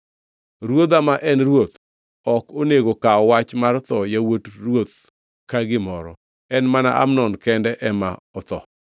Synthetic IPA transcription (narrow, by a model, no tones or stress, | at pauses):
ɾwod̪amaʔɛnrwot̪ | ɔkoneɡokaɔwat͡ʃmart̪ɔjawotrwot̪ | kaɡɪmɔɾɔ | ɛnmana̰ʔa̰mnɔnkɛndɛʔɛma̰ɔt̪ɔ̰